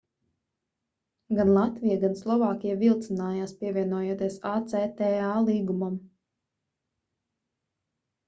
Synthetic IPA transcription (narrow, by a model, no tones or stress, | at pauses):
ɡanlˠat̪vijaɡanslˠɔvaːkʲijavilˠt̪sɨnaːjaːspiɛvʲiɛnuɔjoɔt̪iɛsaːt̪set̪ɛalˠiːɡumam